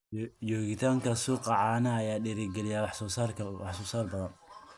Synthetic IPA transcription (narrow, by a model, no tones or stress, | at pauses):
jɔːɣɪt̪ʰaːŋkʰɐsuqɑʕɑːnɐːjaːɗɪɾɪɡɛlɪjaːwɑħsɔːsaːrkʰɐwɑħsɔːsaːrbɐðɐn